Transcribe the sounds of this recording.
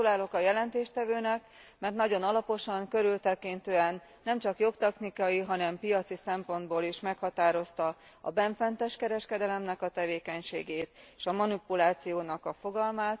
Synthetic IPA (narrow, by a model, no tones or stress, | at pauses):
ulaːlo̞kɒjɛlɛnt̪eːʃt̪ɛvøːnɛk | mɛrt̪nɒɟo̞nɒlɒpo̞ʃɒŋkø̞ɾylt̪ɛkint̪øːɛnːɛmt͡ʃɒkjo̞kt̪ɛknikɒjiɦɒnɛmpijɒt̪sisɛmpo̞nd̪boːliʃmɛkhɒt̪aːɾo̞st̪ɒ | ɒ̰bɛɱfɛnt̪ɛʃkɛɾɛʃkɛd̪ɛlɛmnɛkɒt̪ɛveːkɛɲʃeːɡeːt̪eʃɒmɒnipulaːt̪sijoːnɒkɒfo̞ɡɒlmaːt̪